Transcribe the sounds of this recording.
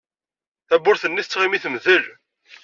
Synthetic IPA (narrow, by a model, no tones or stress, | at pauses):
θæbːʊɾθənːiθət͡sːʁimiθəmðəl